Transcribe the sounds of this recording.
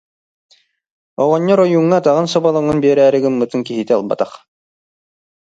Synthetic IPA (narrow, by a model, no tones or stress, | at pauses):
ɔʁɔɲːɔɾɔjuŋːat̪aʁɯnsɔbalˠɔŋɯnbiɛɾæːɾɘ̆ɡɯmmːɯt̪ɯŋkiɦit̪ɛa̰lˠba̰t̪aχ